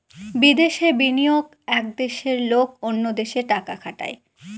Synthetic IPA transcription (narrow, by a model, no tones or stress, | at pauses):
bid̪eʃebinijoɡ | ɛk̚d̪eʃeɾlokonːod̪eʃeʈakakʰaʈa̰e